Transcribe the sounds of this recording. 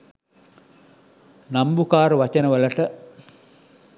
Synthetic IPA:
nambukaːɾəʋat͡ʃənəʋəlɐʈə

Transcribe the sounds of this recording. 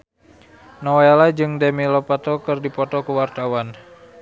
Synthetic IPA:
nɔwelad͡ʒɨŋdɛmilɔpat̪ɔkɨrdipɔt̪ɔkuwart̪awan

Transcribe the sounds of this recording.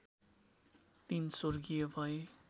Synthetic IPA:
t̪insorɡijobʱʌje

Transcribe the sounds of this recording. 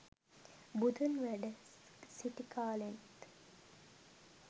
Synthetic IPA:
bud̪ənʋæɖə | siʈikʰaːlent̪

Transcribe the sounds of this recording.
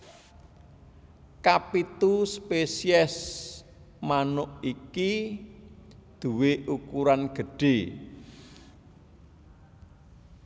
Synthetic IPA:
kapit̪uspesiɛs | manʊʔiki | d̪̥ṳweʔukuɾanɡ̥ə̤ɖ̥e

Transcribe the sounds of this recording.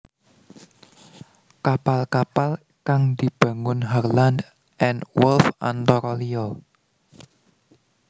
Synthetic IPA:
kapalkapal | kaŋd̪̥i̤b̥a̤ŋʊnɦarland | ʔɛnwɛlfa̰nt̪ɔɾɔliɔ

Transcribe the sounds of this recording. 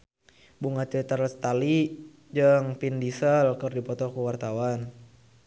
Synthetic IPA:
buŋat͡ʃət̪aɾst̪ali | d͡ʒəŋpindisəlkərdipɔt̪ɔkuwart̪awan

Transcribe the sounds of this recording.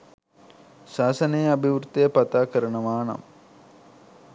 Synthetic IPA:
saːsɐnejɐbʱiʋɾut̪ːejəpat̪aːkəɾɐnɐʋaːnɐ̰m

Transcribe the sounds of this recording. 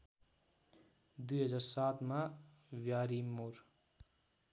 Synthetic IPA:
d̪ujɦʌd͡zaɾsat̪mawjaɾimoɾ

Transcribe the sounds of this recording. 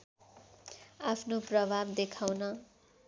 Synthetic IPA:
apʰnoprʌbʱabd̪ekʰawnʌ

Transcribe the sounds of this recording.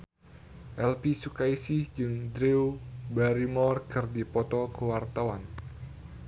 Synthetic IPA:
ʔɛlpisukaisihd͡ʒɨŋd̪ɾeubaɾimɔrkɨrdipɔt̪ɔkəwart̪awan

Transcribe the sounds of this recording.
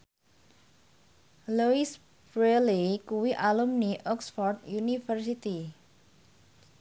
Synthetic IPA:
luis | bɾelikuwiʔalumniʔɔksfɔrd̪unifərsit̪i

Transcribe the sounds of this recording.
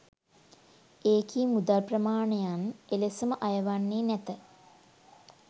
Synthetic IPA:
eːkiːmud̪alprəmaːɳejanelesəməʔajəʋanːeːnæt̪ə

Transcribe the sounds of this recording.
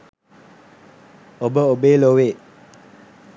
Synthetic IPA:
obəobeloweʔ

